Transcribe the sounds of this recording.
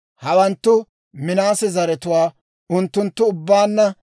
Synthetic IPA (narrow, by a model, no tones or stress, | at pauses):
hɐwɐnt̪ːʊ | mɪnaːsɪzɐɾɛt̪ʊwaː | ʊnt̪ːʊnt̪ːʊʊbːaːnːɐ